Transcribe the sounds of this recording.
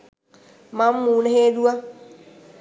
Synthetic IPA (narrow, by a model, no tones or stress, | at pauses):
mamːuːnehedua